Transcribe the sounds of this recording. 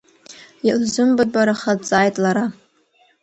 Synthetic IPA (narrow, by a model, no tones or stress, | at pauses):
iʔzɨmbad̚baɾaχat͡sʼaːjtʼlaɾa